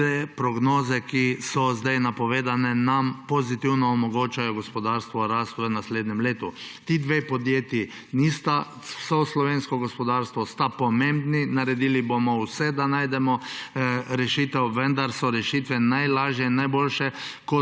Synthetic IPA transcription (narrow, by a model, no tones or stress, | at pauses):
epɾɔɡnoːzɛkisɔzd̪ajnapɔʋeːd̪anɛnampozit̪iwnɔːmɔɡoːt͡ʃajɔɡospɔd̪aːɾst̪ʋɔɾaːst̪ʋənasleːd̪nʲɛmleːt̪ut̪iːd̪ʋepɔd̪jeːt̪ji | nist̪a | sɔslɔʋeːnskɔɡɔspɔd̪aːɾst̪ʋɔst̪apɔmẽmbninaɾɛd̪iːlibomɔwsɛd̪anaːjd̪ɛmɔ | ɾɛʃiːt̪ɛwʋənd̪aɾsɔɾɛʃiːt̪ʋɛnajlaːʒjɛinːajboːlʃɛkɔ